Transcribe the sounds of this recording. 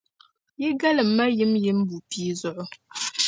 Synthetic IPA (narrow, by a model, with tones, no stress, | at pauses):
ji˦ɡa˦lɨ˨m̩ː˨a˦ji˦mji˦m˦bu˨pi˦zɔ˨ʔʊ˦